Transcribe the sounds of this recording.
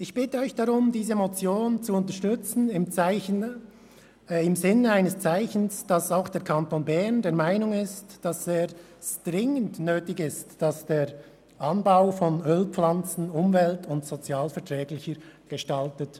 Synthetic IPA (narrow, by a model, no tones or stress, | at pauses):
ɪçb̥ɪtəɔʏçd̥aʁʊmdiːzəmot͡sjoːnt͡suʊntəʃtʏt͡sn̩ɪmt͡saɪçn | ɪmzɪnəaɪnəst͡saɪçn̩sd̥asaʊxd̥eːɐkʰantonbɛʁndeːɐmaɪnʊŋɪstd̥asz̥eːɾ | tʁɪŋəntnøːtɪɡɪstd̥asd̥eːɾ | ʔɑnbaʊfɔnøːlp͡flant͡sn̩ʊmvɛltʰʊntsot͡sjaːlfɛɐtʁɛːɡlɪçəɾɡ̥əʃtaltət